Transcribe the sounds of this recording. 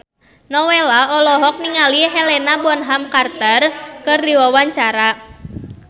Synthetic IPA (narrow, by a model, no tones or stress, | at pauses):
nɔwelaɔlɔɦɔk̚niŋaliɦɛlɛnabɔnɦamkart̪ərkɨrdiwawaɲt͡ʃaɾa